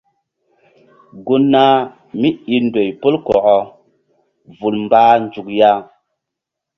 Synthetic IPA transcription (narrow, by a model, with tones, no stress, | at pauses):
ɡu˦nːa˦ | mi˦i˧ndo˨jpo˦lkɔ˨ʔɔ˨ | vu˨lmbaː˦nd͡ʒu˨k̚ja˦